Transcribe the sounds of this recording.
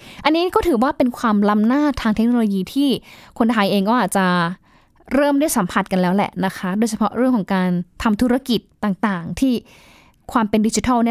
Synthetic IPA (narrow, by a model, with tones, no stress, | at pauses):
ʔa˧nːiː˦˥kɔː˥˩t̪ʰɯː˩˦waː˥˩pe˧nkʰwaː˧mla˦˥mnaː˥˩t̪ʰːaː˧ŋt̪ʰe˦˥k̚noː˧loː˧jiː˧t̪ʰiː˥˩kʰo˧nt̪ʰa˧jʔeː˧ŋkɔː˥˩ʔaː˨˩t̪̚t͡ɕa˨˩ | ɾɤː˥˩mdɯ˥˩əjsa˩˦mpʰa˨˩t̪̚ka˧nlɛː˦˥wlɛ̰˨˩ʔna˦˥kʰa˦˥doː˧jt͡ɕʰa˧pʰɔ˦˥ʔɾɯ˥˩əŋkʰɔː˩˦ŋkaː˧nt̪ʰa˧mt̪ʰu˦˥ɾa˦˥˩ki˨˩t̪ːaː˨˩ŋt̪aː˨˩ŋt̪ʰiː˥˩ | kʰwaː˧mpe˧ndi˦˥t͡ɕi˧t̪ʰa˥˩ni˥˩